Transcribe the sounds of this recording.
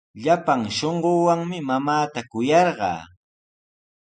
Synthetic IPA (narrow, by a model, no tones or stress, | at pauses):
ʎapaŋʃoɴɢoːwaŋmɪmamaːt̪akʊjɑɾɢɑ̰ː